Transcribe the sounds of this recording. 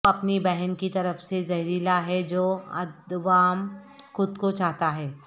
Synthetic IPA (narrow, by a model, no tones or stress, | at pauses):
ɐpnibɛɦɛnkit̪ɐɾəfsezɐɦɾilaɦɛd͡ʒoːɐ̰d̪ʋaːmxʊd̪kot͡ʃaːɦt̪aɦɛː